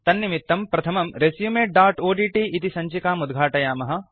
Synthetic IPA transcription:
t̪ɐnːimit̪ːɐmpɾɐt̪ʰɐmɐmɾesjumeːʈ̚ɖaːɾʈoːɖiːʈiːʔit̪isɐɲt͡ʃikaːmud̪ɡʱaːʈɐjaːmɐɦɐ̆

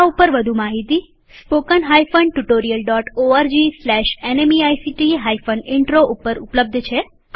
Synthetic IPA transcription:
upəɾʋəd̪ʱumaɦit̪i | spokənɦajfəɳɖ̚ʈuʈoɾijəlɖɔʈoaɾd͡ʒislɛʃenemiajsiʈiɦajfəɳɖɪɳʈɾoʔupəɾupləb̚d̪ʱt͡ʃʰe

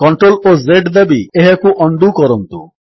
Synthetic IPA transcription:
kɔɳʈɾolozeɖd̪abieɦekuʔɔɳɖukɔɾɔnt̪ṵ

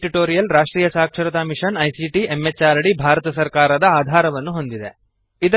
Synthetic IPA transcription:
ʈiʈoːɾijɐlɾaːʂʈɾiːjɐsaːkʂɐɾɐt̪aːmiʂɐnɐjsiʈiemːet͡ʃːaːɾɐɽibʱaːɾɐt̪ɐsɐɾkaːɾɐd̪ɐaːd̪ʱaːɾɐʋɐnːuɦo̞nd̪id̪e̞ | id̪ɐ

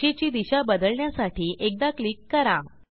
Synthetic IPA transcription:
et͡ɕiːd̪iɕabəd̪əɭɳjasaʈʰiːʔek̚d̪aklikːəɾa

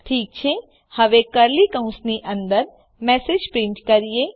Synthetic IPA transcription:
ʈʰiːk̚t͡ʃʰe | hɐʋekəɾliːkɐũsniʔə̃nd̪əɾ | mɛːsed͡ʒpɾɪ̃ɳʈkɐɾijeː

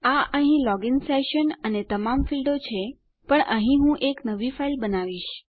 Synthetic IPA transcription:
aʔəɦĩlɔɡɪnseʃənənet̪əmamfilɖot͡ʃʰe | pəɳəɦĩɦũʔeknəʋifailbənaʋiʃ

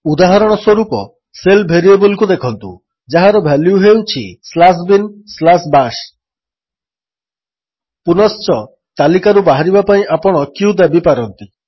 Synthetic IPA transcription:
ud̪aɦɔɾɔɽ̃ɔswɔɾupɔ | selbʱeɾiebulikud̪ekʰɔnt̪ṵ | d͡ʒaɦaɾɔbʱaliuɦewt͡ʃʰḭslas̬binslasbaʃ | punɔst͡ʃɔ | t̪alikaɾubaɦaɾibapaĩʔapɔɽ̃ɔkiud̪abipaɾɔnt̪i

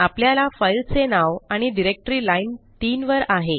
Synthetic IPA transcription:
apljalafajlt͡senaʋaɽ̃iɖiɾek̚ʈɾilaint̪iːnʋəɾaɦe

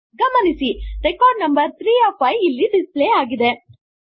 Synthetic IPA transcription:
ɡɐmɐnisiɾɛkaːɖnɐmbɐɾt̪ʰɾiːaːfɐjilːiɖispleːaːɡid̪e

